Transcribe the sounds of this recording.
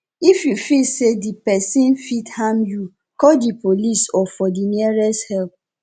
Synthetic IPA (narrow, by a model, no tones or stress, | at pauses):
ifjufilsedipɛsĩnfithamju | kɔdipolisɔfɔdiniɛɹɛshɛlp̚